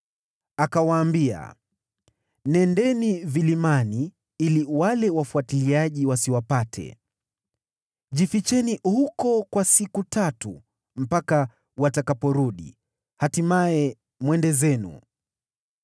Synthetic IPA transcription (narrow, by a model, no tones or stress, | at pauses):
akawaːmbia̰ | nɛndɛnivilimani | iliwalɛwafuatiliaʄiwasiwapatʰɛ̰ | ʄifit͡ʃɛnihukɔkwasikutatu | m̩paka | watakapɔɾuɗḭ | hatimaɛ | mwɛndɛzɛnṵ